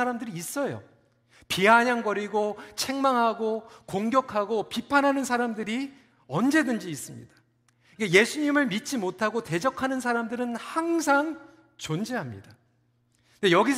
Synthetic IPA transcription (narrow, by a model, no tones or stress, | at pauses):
aɾamdɯɾiːs͈ʌjo̰ | piaɲaŋɡʌɾiɡot͡ɕʰe̞ŋmaŋɦaɡokoŋɡjʌkʰaɡopipʰanɦanɯnsʰaɾamdɯɾi | ʌnd͡ʑe̞dɯnd͡ʑiːs͈ɯmɲḭd̥ḁ | ɡeje̞sʰuɲimɯɭmit͡ɕ͈imotʰaɡote̞d͡ʑʌkʰanɯns̬ʰaɾamdɯɾɯnhaŋs̬ʰaŋ | t͡ɕond͡ʑeɦamɲida | ne̞jʌɡis